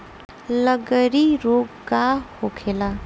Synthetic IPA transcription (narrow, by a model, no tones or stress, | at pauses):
lʌɡəɾiɾoɡɡahokʰela